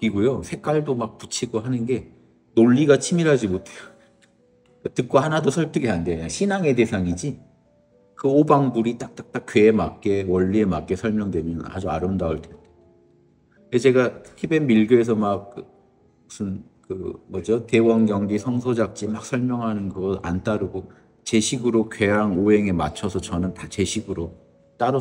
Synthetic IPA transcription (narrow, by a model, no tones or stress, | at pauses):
k͈iɡojosʰe̞k͈aɭdomak̚put͡ɕʰiɡoɦanɯnɡe̞ | noʎːiɡat͡ɕʰimiɾɦad͡ʑimotʰejo | katɯk̚k͈ohanadosʰʌɭtʰɯɡeɦandeɲaɕʰinaŋe̞te̞sʰaŋid͡ʑi | kɯobaŋbuɾit͈ak̚t͈ak̚t͈akkɥweːmak̚k͈e̞wʌʎːie̞mak͈e̞sʰʌɭmjʌŋdwe̞mjʌna̰d͡ʑua̰ɾɯmdauɭtende | et͡ɕe̞ɡaibe̞nmiɭɡjoes̬ʰʌmak̚ | usʰɯn | kɯmʌd͡ʑote̞wʌnɡjʌŋɡisʰʌŋsʰod͡ʑak̚t͡ɕ͈imak̚sʰʌɭmjʌŋɦanɯnɡɯʌa̰nt͈aɾɯɡo | t͡ɕe̞ɕʰiɡɯɾokwe̞aŋoɦe̞ŋe̞mat͡ɕʰʌsʰʌt͡ɕʌnɯntat͡ɕe̞ɕʰiɡɯɾo | t͈aɾʌ